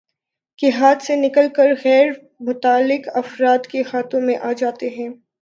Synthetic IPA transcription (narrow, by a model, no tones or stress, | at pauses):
kɪɦaːt̪senɪkəlkəɾɣɛːɾ | mʊt̪aːlːɪkɐfɾaːt̪kehaːt̪õmẽʔaːd͡ʒaːt̪eɦɛ̃ː